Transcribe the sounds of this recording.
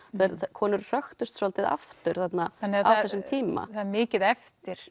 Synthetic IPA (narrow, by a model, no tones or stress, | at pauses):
θaðɛɾkʰɔːnʏɾr̥œxt̪ʏst̪sɔlt̪ɪða̰ft̪ʏɾ̥θat̪naanːɛaaθθɛsːʏmt̪ʰiːma̰θaðɾmɪːcɪðɛft̪ɪɾ̥